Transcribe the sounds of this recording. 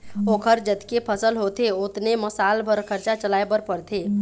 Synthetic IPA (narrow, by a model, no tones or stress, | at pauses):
oːkʰəɾd͡ʒət̪kepʰəsəlɦoːt̪eʊt̪neməsaːlbʱəɾkʰəɾt͡ʃat͡ʃəlaːebəɾpəɾt̪ʰeː